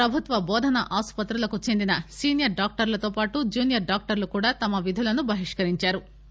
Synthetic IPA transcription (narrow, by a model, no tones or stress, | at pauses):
pɾɐbʱut̪ʋɐbɔːd̪ʱɐnɐʔaːspɐt̪ɾulɐkut͡ʃe̞nd̪inɐsiːnjɐɾɖaːk̚ʈɐɾlɐt̪oːpaːʈud͡ʒuːnjɐɾɖaːk̚ʈɐɾlukuːɽaːt̪ɐmɐʋid̪ʱulɐnubʱɐɦiʂkɐɾiɲt͡ʃaːɾu